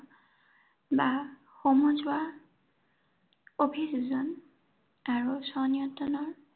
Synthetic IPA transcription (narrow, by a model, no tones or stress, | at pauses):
ba | xomɔzʊwa | opʰiszɔn | aɹusɔnijɔtɔnɔɹ